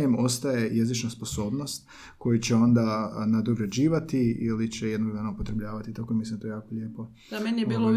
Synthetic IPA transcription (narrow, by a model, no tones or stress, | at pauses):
emo̞st̪aje̞je̞zit͡ʃnaspo̞so̞ːbno̞st̪ | ko̞jut͡ɕeo̞nd̪anad̪oɡɾad͡ʑiːʋat̪iilit͡ɕejd̪noɡd̪anaupo̞t̪ɾe̞bʎaːʋat̪it̪akomislimojejaːkoʎe̞ːpo̞ | d̪amenijebiːlo